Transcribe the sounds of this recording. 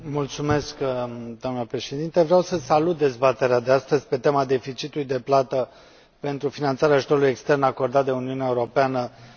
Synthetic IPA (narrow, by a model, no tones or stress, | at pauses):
mult̪sume̞skd̪amnəpɾe̞ʃe̞d̪int̪evɾeawsəsalut̪̚d̪e̞zbat̪e̞ɾead̪east̪əzʲpe̞t̪e̞mad̪e̞fit͡ʃit̪ulujd̪e̞plat̪ə | pe̞nt̪ɾufinant̪saɾeaʒut̪o̞ɾuluje̞kst̪e̞rnako̞rd̪at̪̚d̪e̞uniuneaeuɾo̞peanə